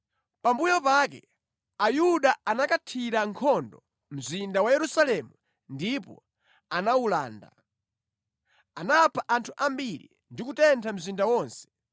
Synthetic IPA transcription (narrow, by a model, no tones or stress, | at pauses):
pambujɔpaːkɛ̰ | ajuɗaanakatʰiɾaŋkʰɔndɔ | m̩zindawajɛɾusalɛmu | ndipɔ̰ | anawula̰ːnda̰ | anapʰaʔantʰuʔambiɾḭ | ndikutɛntʰam̩zindawɔːnsɛ̥